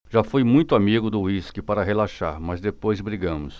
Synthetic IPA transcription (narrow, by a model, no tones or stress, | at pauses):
ʒ̥afojmũj̃t̪ʊamiɡʊd̪ʊwiskɪpaɾɐɦelaʃaɾmɐzd̪epojzbɾiɡɐ̃mʊs